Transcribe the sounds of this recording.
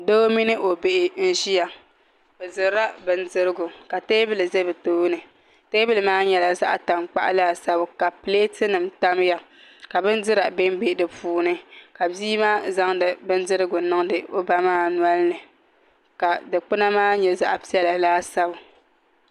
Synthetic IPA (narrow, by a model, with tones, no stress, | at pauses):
do˦o˦mi˦nɨ˦ʔo˨be˨ʔɪ˨n̩˦ʒi˦ja˨ | bɛ˨zɨ˨˦ɾa˦bɨ˨n˦dɨ˦ɾɨ˦ɡʊ˨ka˨teː˦bɨ˦lɨ˨ze˦bɨ˨to˨˦nɨ˨ | teː˦bɨ˦lɨ˨maː˦ɲɛ˦la˨za˦ʔa˦ta˨mk͡pa̰˦ʔa̰˦laː˦˨sa˦bʊ˨ka˨pleː˦tɨ˦nɨ˨mta˦m˦ja˨ | ka˨bɨ˦n˦dɨ˦ɾa˨be˦m˦be˦˨dɨ˨pʰuː˨˦nɨ˦ka˨biː˦maː˦za˦ŋdɨ˨bɨ˦n˦dɨ˦ɾɨ˦ɡʊ˨nɨ˦ŋdɨ˨ʔo˦ba˦maː˦n˦a˦lnɨ˨ | ka˨dɨ˨k͡pɨ˦na˦maː˦ɲɛ˦za˦ʔpi˦ɛ˦la˨laː˦sa˦bʊ˨